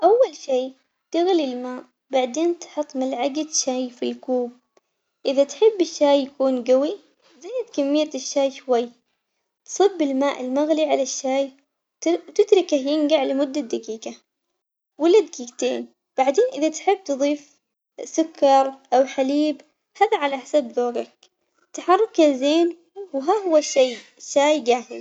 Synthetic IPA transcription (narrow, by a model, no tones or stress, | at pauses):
ʔawːalʃiː | t̪ɪɣlilmaːʔ | baʕd̪eːnt̪ħɑt̪ˤːmalʕaɡad̪ʃaːjfilkuːb̚ | ʔɪðat̪ħɪbːɪʃːaːjːakuːnɡawi | zajːɪd̪kamːɪjːat̪ɪʃːaːjʃwajː | t̪sˤɨbːɪlmaːʔɪlmaɣliʕalaʃːaːj | t̪ɪd̪ɾˤɪkahjɪŋɡaʕlamʊd̪ːad̪aɡiːɡa | wɪlːad̪akiːɡt̪eːn | b̥aʕd̪eːnʔɪðat̪ħɪbːt̪ɨðˤiːf | sʊkːɑɾˤʔawħaliːb | haːðaʕalaʔħasabðoːɡak̚ | t̪aħɑrˤːɑkalzeːn | wɦaːɦʊwːaʃːaj | ʃːaːjɡaːhɪl